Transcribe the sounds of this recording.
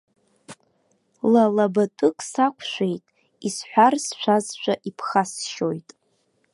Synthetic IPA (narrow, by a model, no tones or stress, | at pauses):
lalabatʼɨkʼsakʷʰʃʷejtʼ | isħʷᶣarsʃʷʰazʃʷaʔipʰχasʃo̞jtʼ